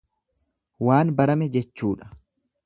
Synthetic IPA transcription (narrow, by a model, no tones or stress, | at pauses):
waːnbɐɾɐmɛd͡ʒɛt͡ʃːuːᶑɐ̥